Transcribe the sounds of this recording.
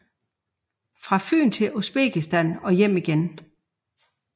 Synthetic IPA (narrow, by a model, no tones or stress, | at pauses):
fʁɑ̈fy̰ːnt͡sʰe̝lʔo̝sb̥ḛːɡ̥isd̥ænɒ̽jem̰iɡ̥en